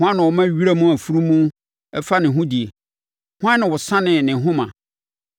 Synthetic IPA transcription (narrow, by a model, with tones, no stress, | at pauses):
hʊ̃˦ã˦nʊ̃˨wɔ˨mã˦ɥi˦ɾa˦mũ˦æ˨fu˦ɾu˦mũ˦ | ɛ˦fa˦nɪ̃˨ɦũ˦di˨e˨ | hʊ̃˦ã˦nɪ̃˨wɔ˨sã˦nɪ̃˨nɪ̃˨ɦʊ̃˦mã̰˨